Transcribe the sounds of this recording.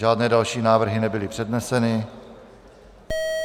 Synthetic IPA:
aːdnɛːdalʃiːnaːvr̩ɦɪnɛbɪlɪpr̝̥ɛdnɛsɛnɪ

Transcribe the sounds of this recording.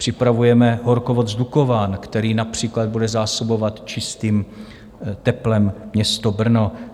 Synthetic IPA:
pr̝̥ɪpɾavujɛmɛɦo̞ɾkovod̪zdukovaːnkt̪ɛɾiːnapr̝̥iːklad̪̚budɛzaːso̞bo̞vat̪t͡ʃɪst̪iːm | t̪ɛplɛmmɲɛst̪obr̩no

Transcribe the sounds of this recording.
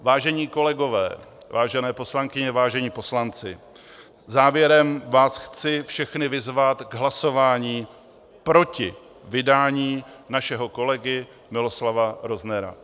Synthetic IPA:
vaːʒɛɲiːko̞lɛɡo̞vɛ̰ː | vaːʒɛnɛːpo̞slaŋkɪɲɛvaːʒɛɲiːpo̞slant͡sɪ | zaːvjɛɾɛmvaːsxt͡sɪfʃɛxnɪvɪzvat̪ɡɦlaso̞vaːɲiː | pɾo̞cɪ | vɪdaːɲiːnaʃɛɦo̞ko̞lɛɡɪ | mɪlo̞slavaɾo̞znɛɾa̰

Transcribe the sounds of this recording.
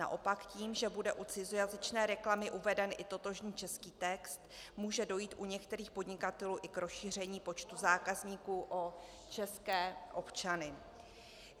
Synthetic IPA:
na̰ʔo̞pakciːmʒɛbudɛʔut͡sɪzojazɪt͡ʃnɛːɾɛklamɪʔuvɛdɛnʔɪt̪o̞t̪o̞ʒɲiːt͡ʃɛskiːt̪ɛkst̪muːʒɛdo̞jiːt̪ʔuɲɛkt̪ɛɾiːxpo̞dɲɪkat̪ɛluːʔɪkɾo̞sʃiːr̝ɛɲiːpo̞t͡ʃt̪uzaːkazɲiːkuːʔo | t͡ʃɛskɛːʔo̞pt͡ʃanɪ

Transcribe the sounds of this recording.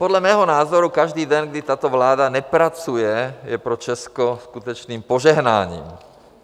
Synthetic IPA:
pɔd̪ʎamɛːɦɔnaːzɔɾukaʒd̪iːd̪ɛɲɡd̪it̪aːt̪ɔʋlaːd̪anɛpɾat͡sujɛjɛpɾɔt͡ʃɛskɔskut̪ɔt͡ʃniːmpɔʒɛɦna̰ːɲḭːm

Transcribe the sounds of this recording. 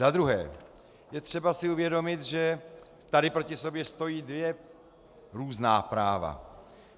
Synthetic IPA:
zad̪ɾuɦɛ̰ː | jɛt̪r̝̥ɛbasɪuvjɛdo̞mɪt̪ʒɛ | t̪adɪpɾo̞cɪso̞bjɛst̪o̞jiːdvjɛ | ɾuːznaːpɾaːva̰

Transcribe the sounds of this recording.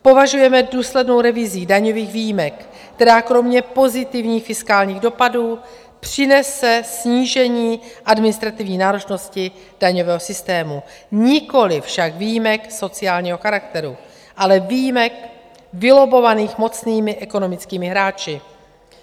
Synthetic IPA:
po̞vaʒujɛmɛduːslɛdno̞wɾɛvɪziːdaɲo̞viːɣviːjimɛk | kt̪ɛɾaːkɾo̞mɲɛpo̞zɪt̪ɪvɲiːxfɪskaːlɲiːɣdo̞paduː | pr̝̥ɪnɛsɛsɲiːʒɛɲiːʔadmɪnɪst̪ɾat̪ɪvɲiːnaːɾot͡ʃno̞scɪ | d̥aɲo̞vɛːɦo̞sɪst̪ɛːmuɲɪko̞lɪfʃakviːjimɛkso̞t͡sɪaːlɲiːɦoxaɾak̚t̪ɛɾu | ʔalɛvijimɛk | vɪlo̞bo̞vaniːxmo̞t͡sniːmɪʔɛko̞no̞mɪt͡skiːmɪɦɾaːt͡ʃɪ

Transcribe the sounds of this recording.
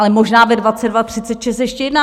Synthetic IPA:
lɛmoʒnaːvɛdvat͡sɛdvat̪r̝̥ɪt͡sɛt̪ʃɛst̪jɛʃcɛjɛdnaː

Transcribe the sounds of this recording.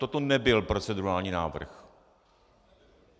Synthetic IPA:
t̪ot̪onɛbɪlpɾo̞t͡sɛduaːlɲiːnaːvr̩x

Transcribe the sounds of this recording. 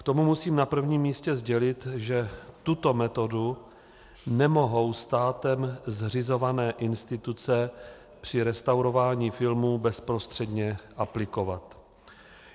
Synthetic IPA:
kt̪o̞mumusiːmnapr̩vɲiːmːiːscɛzɟɛlɪt̪ʒɛt̪ut̪o̞mɛt̪o̞du | nɛmo̞ɦo̞wst̪aːt̪ɛmzr̝ɪzo̞vanɛːʔɪnst̪ɪt̪ut͡sɛ | pr̥ɪɾɛst̪awɾo̞vaːɲiːfɪlmuːbɛspɾo̞st̪r̥ɛdɲɛʔaplɪko̞vat̪

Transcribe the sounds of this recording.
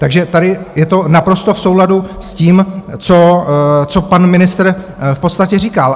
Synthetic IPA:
t̪aɡʒɛt̪adɪjɛt̪o̞napɾo̞st̪o̞fso̞wladusciːmt͡so̞t͡so̞panmɪnɪst̪r̩ | fpo̞t̪st̪acɛriːkal

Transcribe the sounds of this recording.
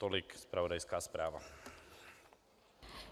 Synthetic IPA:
t̪ɔlikspɾaʋɔd̪ajskaːspɾaːʋa̰

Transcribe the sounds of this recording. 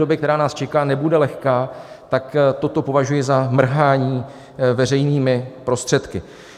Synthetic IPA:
obɪkt̪ɛɾaːnaːst͡ʃɛkaːnɛbudɛlɛxkaː | t̪akt̪o̞t̪o̞po̞vaʒujɪzamr̩ɦaːɲiː | vɛr̝ɛjniːmɪpɾo̞st̪r̥ɛt̪kɪ

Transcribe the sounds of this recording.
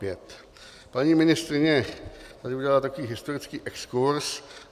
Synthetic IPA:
pjɛt̪ | paɲimɪnɪst̪ɾɪɲɛt̪adɪuɟʲɛlalat̪ako̞viːɦɪst̪oɾɪt͡skiːʔɛkskuɾs

